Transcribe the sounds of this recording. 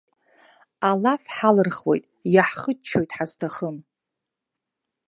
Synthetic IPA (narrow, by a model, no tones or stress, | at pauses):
alafħalɨrχwḛjtʼjaħχət͡ʃʰo̞jtʼħaztʰaχəm